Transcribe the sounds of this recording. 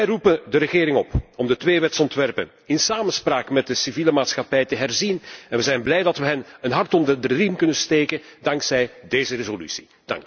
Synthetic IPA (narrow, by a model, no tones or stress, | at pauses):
ɛjrupədəɾəɣeːɾɪŋɔpɔmdətʋeːʋɛtsɔntʋɛrpə̰n | ɪnsaːmənspraːkmɛt̚dəsiviːləmaːtsxɑpɛjtəɦɛrzinɛnʋəzɛjnblɛjdɑtʋəɦɛnənɦɑrtɔndərdrrinkɵnəsteːkədɑŋksɛjdeːjzəɾezoly̰si̥ | d̥ɑ̰ŋk